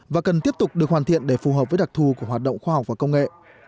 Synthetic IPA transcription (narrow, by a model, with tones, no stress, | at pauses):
vaː˨˩kə˨˩nt̪i˦˥əp̚t̪ʊ˨˩k͡p̚ɗɨ˨˩ək̚waː˨˩t̪ḭ˧˨ənɗe˧˩fu˨˩ɦəː˨˩p̚vəː˨˦jɗa˨˩k̚t̪ʰu˨˩ku˧˩əɦwaː˨˩t̚ɗə̰˧˨wŋ͡mxwaː˧ha˨˩wk͡p̚vaː˨˩kə˧wŋ͡mŋḛ˧˨ʔ